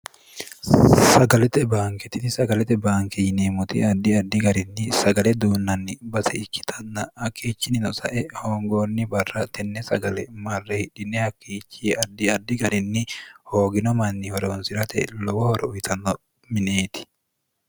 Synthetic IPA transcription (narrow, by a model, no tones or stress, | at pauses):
sɐɡɐlɛt̪ɛbaːŋkɛt̪ɪt̪ɪsɐɡɐlɛt̪ɛbaːŋkɛjɪneːmʊt̪ḭɐd̪ːɪɐd̪ːɪɡɐɾɪnːɪsɐɡɐlɛd̪uːnːɐnːɪbɐsɛɪkːɪ̥t̪ʰɐnːɐhɐkːiːt͡ʃːɪnɪnɔsɐ̰ʔɛhoːŋɡoːnːɪbɐrːɐt̪ɛnːɛsɐ̰ɡɐlɛmɐrːɛhɪᶑɪnːɛhɐkːiːt͡ʃːɪɐd̪ːɪɐd̪ːɪɡɐɾɪnːɪhoːɡɪnɔmɐnːɪhɔɾɛɔnsɪɾɐt̪ɛ̰lɔwɔhɔɾɛʊjt̪ʰɐnːɔ | mɪneːt̪ɪ̥